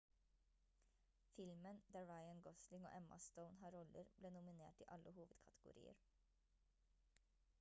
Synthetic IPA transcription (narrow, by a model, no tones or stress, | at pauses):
fɪlmənd̪æːɹɑɪənɡɔslɪŋo̰ːʔɛmɑ̰st̪əʊnhɑːɾɔləɾb̥leːnʊmɪneːʈḭːʔɑləhuːʋəd̪kʰɑt̪ʰəɡʊ̰ɾḭːə̰ɾ